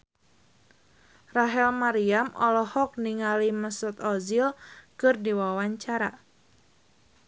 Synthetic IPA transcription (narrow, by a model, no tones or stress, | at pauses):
raɦɛlmaɾiamʔɔlɔhɔk̚niŋaliməsʊt̪ɔzilkɨrdiwawaɲt͡ʃaɾa